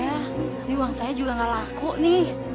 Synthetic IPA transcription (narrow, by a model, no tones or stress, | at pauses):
ja | diuwaŋsajad͡ʒuɡaŋalakɔʔnih